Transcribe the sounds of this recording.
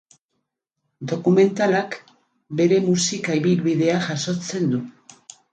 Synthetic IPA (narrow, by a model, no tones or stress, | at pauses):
d̪o̞kume̞nt̪alak | be̞ɾe̞musikaiβilβiðe̞aʝaso̞t͡se̞nd̪u